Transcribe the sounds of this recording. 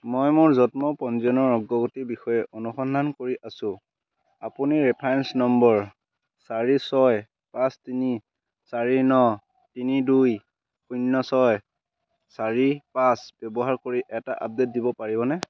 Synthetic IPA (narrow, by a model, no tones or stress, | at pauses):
mojmʊɹzɔtmɔpɔnzɔnɔɹːɔɡːɔɡutibixɔjɛʔonuxɔnd̪ʱankoɹiʔasʊ̃ | apuniɹɛpʰajnsnɔmbɔɹ | saɹisɔj | pãstini | saɹinɔ | tiniduj | xunːɔsɔj | saɹipãsb̥ɔbɔɦaɹkoɹiʔɛta̰ʔa̰p̚det̚dibɔpaɹibɔnɛ